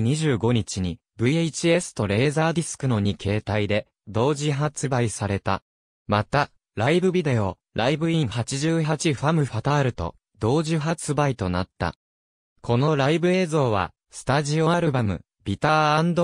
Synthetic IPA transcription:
ɲ̟iʑɨːɡo̞ɲ̟it͡ɕiɲ̟i | bɯ̟eit͡ɕie̞sɨ̥t̪o̞ɾe̞ːzaːd̪ʲisɨ̥kɯ̟no̞ɲ̟ikʰe̞ːt̪aid̪e̞ | d̪o̞ːʑiɦat͡sɨbaisaɾe̞t̪a̰ | mat̪a | ɾaibɯ̟bʲid̪e̞o̞ | ɾʔaibɯ̟ĩɰ̃hat͡ɕiʑɨːhat͡ɕiɸamɯ̟ɸat̪aɾɯ̟t̪o̞̰ | d̪o̞ːʑiɦat͡sɨbait̪o̞na̰t̪ːa̰ | kʰo̞no̞ɾaibɯ̟e̞ːzo̞ːβ̞a̰ | sɨ̥t̪aʑio̞aɾɯ̟bamɯ̟̰ | bʲit̪aːãnd̪o

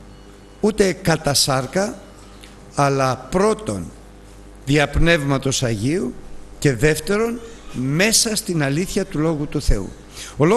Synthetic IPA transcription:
ut̪e̞kɐt̪ɐsɐɾkɐ | lɐpɾo̞t̪o̞̰n | ðiɐpne̞vmɐt̪o̞sɐʝiuce̞ðe̞ft̪e̞ɾo̞nme̞sɐst̪inɐliθçɐt̪ulo̞ɣut̪uθe̞ṵ | o̞lo

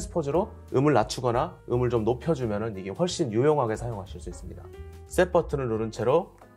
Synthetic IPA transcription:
sʰɯ̥pʰod͡ʑiɾo | ɯmɯɭnat͡ɕʰuɡʌnaɯmɯɭt͡ɕomnopʰjʌd͡ʑumjʌnɯniɡe̞ɸwʌɭɕ͈injujʌŋɦaɡe̞sʰajoŋɦaɕʰiɭs͈uis͈ɯmɲida̰s͈e̞p͈ʰʌtʰɯnɯnːoɾɯnt͡ɕʰe̞ɾo

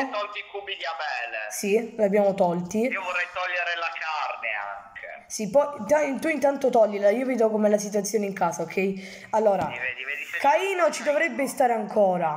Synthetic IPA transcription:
t̪ɔlt̪ikubiliamɛːlḛsilabːjaːmot̪ɔlt̪iiovorːɛjt̪ɔʎːeɾelakarnḛa̰ŋkʰḛ | sipɔjt̪ɔt̪uint̪ant̪ot̪ɔʎːilaiːoviːd̪okomɛlasit̪̬wat̪sːjoːneiŋkaːsaokʰːɛi | alːoːɾaiikaiːnot͡ʃid̪ovɾɛbːest̪aːɾeaŋkʰɔːɾa

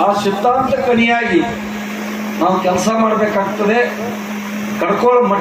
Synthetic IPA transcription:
aːʃit̪ːaːnt̪ɐkɐnijaːɡi | naːwukʲɛlsɐmaːɽɐbeːkaːɡ̚t̪ːɐd̪e̞ | kɐɽkoːɭmɐ

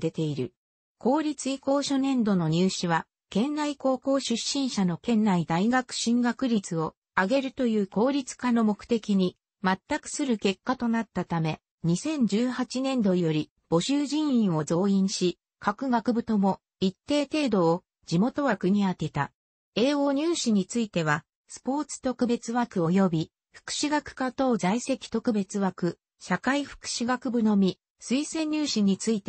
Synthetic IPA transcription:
d̪e̞t̪e̞iɾɯ̟ | kʰo̞ːɾʲit͡sɨiko̞ːɕo̞nẽ̞nd̪o̞no̞ɲ̟ɨːɕiβa | kẽ̞nːaiko̞ːko̞ːɕɨɕːĩɰ̃ɕano̞kẽ̞nːaid̪aiɡakɯ̟̥ɕĩŋɡakɯ̟ɾʲit͡sɨo̞ | aɡe̞ɾɯ̟t̪o̞jɯ̟ːko̞ːɾʲit͡sɨ̥kano̞mo̞kɯ̥t̪e̞kʲiɲ̟i | mat̪ːakɯ̟̥sɨɾɯ̟ke̞kːat̪o̞nat̪ːat̪ame̞ | ɲ̟isẽ̞ɲ̟d͡ʑɨːhat͡ɕinẽ̞nd̪o̞jo̞ɾʲi | b̥o̞ɕɨːʑĩɰ̃ĩɰ̃o̞zo̞ːĩɰ̃ɕi | kʰakɯ̟ɡakɯ̟bɯ̟t̪o̞mo̞ | it̪ːe̞ːt̪e̞ːd̪o̞ː | d͡ʑimo̞t̪o̞βakɯ̟ɲ̟iat̪e̞t̪a̰ | e̞ːo̞ːɲ̟ʲɨːɕiɲ̟it͡sɨit̪e̞βa | sɨ̥po̞ːt͡sɨ̥t̪o̞kɯ̟be̞t͡sɨβakɯ̟o̞jo̞bʲi | ɸɯ̥kɯ̟̥ɕiɡakɯ̟̥kat̪o̞ːzaise̞kʲi̥t̪o̞kɯ̟be̞t͡sɨβakɯ̟ | ɕakaiɸɯ̟̥kɯ̟̥ɕiɡakɯ̟bɯ̟no̞mʲi | sɨisẽ̞ɲ̟ʲːɨːɕiɲ̟it͡sɨit̪e

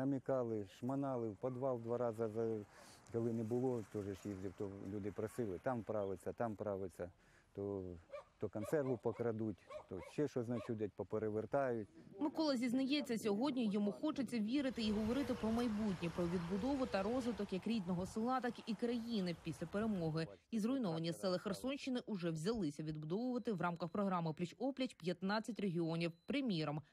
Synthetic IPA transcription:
nɐmʲikɑlˠɪʃmɐnɑlˠɪwpɐd̪ʋɑlˠd̪ʋɑɾɑzɐzɐkɔlˠɪnɛbʊlˠɔt̪ɔʒɛʃlʲizʲdʲiwt̪ɔlʲud̪ɪpɾɐsɪlˠɪt̪ɑmpɾɑʋɪt͡sʲːɐt̪ɑmpɾɑʋɪt͡sʲːɐ | t̪ɔt̪ɔkɐnt̪sɛrʋʊpɔkɾɐd̪utʲt̪ɔʃɛʃɔznɐt͡ʃʲud̪ʲɐt̚ʲpɔpeɾeʋert̪ɑjʊt̚ʲmɪkɔlˠɐzʲiznɐjɛt͡sʲːɐsʲɔɦɔdʲnʲijɔmuxɔt͡ʃet͡sʲːɐʋʲiɾɪt̪ɪiɦɔʋɔɾɪt̪ɪpɾɔmɐjbutʲnʲipɾɔʋʲid̪̚bʊd̪ɔʋʊt̪ɐɾɔzʋɪt̪ɔkjɐkɾʲid̪nɔɦɔsɪlˠɑt̪ɐkikɾɐjinɪpʲisʲlʲɐpeɾemɔɦɪizrʊjnɔʋɐnʲːɐsɛlˠɐxɐrsɔnʲʃt͡ʃːɪnɪʔʊʒɛwzʲɐlˠɪsʲɐʋʲid̪bʊd̪ɔʋʊʋɐt̪ɪwrɑmkɐxpɾɔɦɾɑmɪplʲɐt͡ʃɔplʲɐt͡ʃpʲjɐt̪nɑt͡sʲːɐtʲreɦʲiɔnʲiwpɾɪmʲiɾɔm

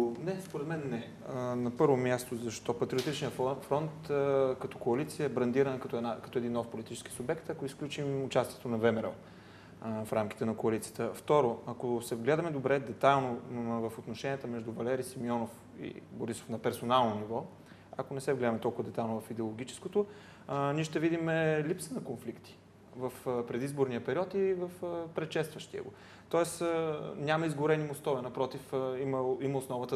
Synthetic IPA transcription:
nɛspoɾɛd̪mɛnːɛ | nɐpɤɾvomʲjast̪ozɐʃt̪ɔpɐt̪ɾiot̪it͡ʃniəfɾɔnt̪kɐt̪ɔ̥koɐlit̪siəɛbɾɐnd̪iɾənəkɐt̪ɛnakɐ̥t̪ɔɛd̪inːɔfpolit̪i̥t͡ʃɛ̥ski̥subɛkt̪ɐkoisklʲut͡ʃimʊt͡ʃast̪iɛ̥t̪onɐvɛmɛɾɛlˠ | fɾamk̟i̥t̪ɛnɐkoɐlit̪sijət̪əft̪ɔɾoɐkosɛvɡlɛd̪əmɛd̪obɾɛd̪ɛt̪ajlˠnovəfot̪noʃɛniət̪əmɛʒd̪uvɐlɛɾisimiɔnof | ḭboɾiso̥fnɐpɛɾsonalˠnonivɔ | ɐ̰konɛsɛvɡlɛd̪əmɛt̪ɔlˠkʊvəd̪ɛt̪ajlˠnovɐfid̪ɛolˠoɡ̟it͡ʃɛ̥skot̪ʊ | nʲiɛʃt̪ɛvid̪imɛlipsənɐkonflikt̪i̥ | vəfpɾɛd̪izboɾnijəpɛɾiɔt̪ivəfpɾɛʃɛst̪vəʃt̪iə̰ɡo | t̪ɔɛsənʲamɐizɡʊɾɛnimost̪ɔvɛnɐpɾɔt̪ifiməiməʊsnɔvət̪ə

